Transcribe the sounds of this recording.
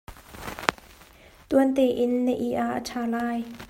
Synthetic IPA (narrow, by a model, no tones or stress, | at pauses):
t̪uənt̪eːʔɪnːəʔiʔaʔətʰaːlaːj